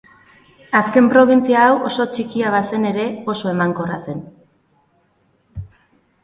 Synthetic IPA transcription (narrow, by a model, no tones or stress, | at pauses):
aske̞mpɾo̞β̞int͡siaːwʔo̞so̞t͡ʃikiaβase̞ne̞ɾe̞o̞so̞e̞maŋko̞rase̞n